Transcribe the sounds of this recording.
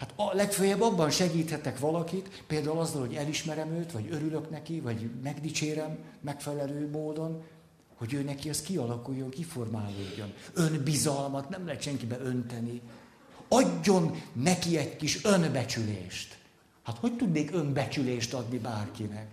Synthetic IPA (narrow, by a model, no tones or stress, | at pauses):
hat̪lɛkføːjɛbɒbːɒnʃɛɡiːt̪hɛt̪ɛkʋɒlɒkit̪peːld̪aːulɒzːɒlhoɛliʃmɛɾɛmøːt̪ʋɒɟø̞ɾyløknɛkivɒɟmɛɡd̪it͡ʃeːɾɛmːɛkfɛlɛløːmoːd̪o̞n | ho̞ɟøːnɛkiɛst̪kiɒlɒkujːo̞ŋkifo̞rmaːloːɟːo̞nø̞nbizɒlmɒt̪nɛmlɛɦɛt̪ʃɛŋkibɛø̞nt̪ɛni | ɒɟːo̞nːɛkiɛɟkiʃønbɛt͡ʃylḛːʃt̪ | hat̪ho̞ct̪ud̪neːkømbɛt͡ʃyleːʃt̪ɒd̪nibaːrkinɛk